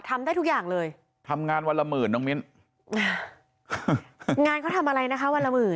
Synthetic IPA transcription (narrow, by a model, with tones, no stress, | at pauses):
t̪ʰa˧mda˥˩t̪ʰu˦˥k̚jaː˨˩ŋlɤː˧j | t̪ʰa˧mŋaː˧nwa˧nla˧mɯː˨˩nɔː˦˥ŋmi˦˥n | ʔaː˧˩ | ŋaː˧nkʰɔ˥˩t̪ʰa˧mʔa˧ɾa˧jna˦˥kʰa˦˥wa˧nla˧mɯː˨˩